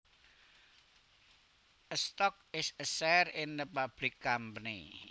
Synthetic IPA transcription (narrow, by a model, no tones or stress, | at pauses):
əst̪ɔk̚ɪsəsɛrɪnɾipab̥lɪkːampənḭ